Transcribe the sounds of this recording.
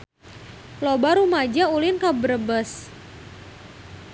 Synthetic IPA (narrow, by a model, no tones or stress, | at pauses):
lobaɾumad͡ʒaulɪnkabəɾəbəs